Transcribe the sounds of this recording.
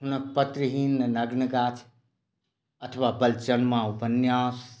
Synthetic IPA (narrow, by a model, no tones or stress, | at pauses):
ɦunək̚pət̪ɾiɦinːnəɡnəɡat͡ʃʰ | ət̪ʰəʋabəlt͡ʃənmãupənjas